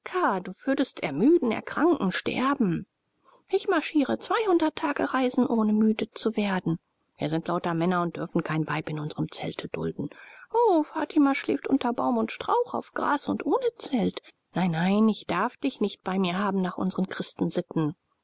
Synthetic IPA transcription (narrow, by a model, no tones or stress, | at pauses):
kʰaːduːv̥ʏɐdəstɛ̰ɐmyːdn̩ɛ̰ɐkʁ̥aŋkŋ̩ʃtɛ̰ɐbm̩ | ʔɪçmaɐʃiːʁət͡sv̥aɪhʊndɐtʰaːɡəʁaɪzn̩ʔoːnəmyːdət͡suveːɐdn̩ | v̥iːɐzɪntʰlaʊtɐmɛnɐʊnt̚d̥ʏɐfn̩kʰaɪnvaɪpɪnʊnzəʁəmt͡sɛ̰ltʰəd̥ʊ̰ldn̩ʔoːfaːtʰimaʃlḛːftʔʊntɐbaʊmʊntʃtʁ̥a̰ʊχa̰ʊfɡ̥ʁa̰ːsʊntʔoːnət͡sɛlt | naɪnːaɪnɪçd̥aɐfd̥ɪçnɪçt̚b̥aɪmiːɐɦaːbm̩naːχʔʊ̰nzəʁənkʁ̥ɪstn̩zɪtn̩